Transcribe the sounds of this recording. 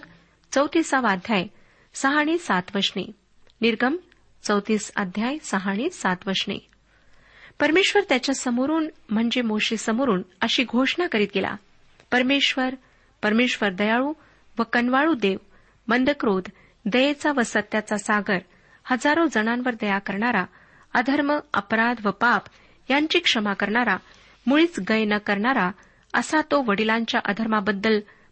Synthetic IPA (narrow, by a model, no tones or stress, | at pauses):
t͡səwt̪iːsaʋad̪ʱjaj | səɦaɽ̃iːsat̪ʋəʂɳḛ | niɾɡʱəm | t͡səwt̪iːsa̰d̪ʱjajsəɦaɽ̃iːsat̪ʋəʂɳḛ | pəɾmeɕʋəɾt̪jat͡ɕjasəmoɾuːnm̤əɳd͡ʑemoɕisəmoɾuːnəɕiːɡʱoʂɳakəɾiːt̪ɡela̰ | pəɾmeɕʋəɾ | pəɾmeɕʋəɾd̪əjaɭuː | ʋəkənʋaɭud̪eʋ | mənd̪əkɾod̪ | d̪əjet͡saʋəsət̪jat͡sasaɡəɾ | həd͡zaɾod͡zənãmʋəɾd̪əjakəɾɳaɾa | əd̪ʱəɾməəpɾad̪ʋəpap | jaɲt͡ɕiːkʂəmakəɾɳaɾa | muɭiːt͡sɡəjnəkəɾɳaɾa | əsat̪oʋəɽilãɲt͡ɕjaʔəd̪ʱəɾmabəd̪ːəl